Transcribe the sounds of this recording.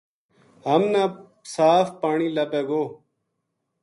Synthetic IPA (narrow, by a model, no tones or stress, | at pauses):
ɦəmnã | saːfpaːɳiːləpeːɡoː